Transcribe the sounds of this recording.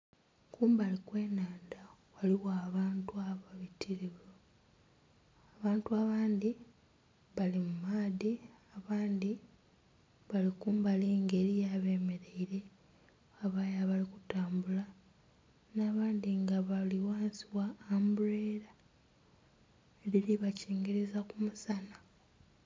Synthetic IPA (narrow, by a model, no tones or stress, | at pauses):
kuːmbalikwe̞ːnaːnda | waliwaːβaːntuaβaβitʰiɾiβo | aβaːntuaβaːnd̪i | βalimumaːðiaβaːnd̪i | βalikuːmbaliːŋɡe̞ɾijaβe̞ːme̞ɾe̞iɾe̞ | aβajaβalikutaːmbula | naːβaːnd̪iŋɡaβaliwaːnsiwaːmbureːɾa | eɾiɾiβaciːŋɡeɾezakumusana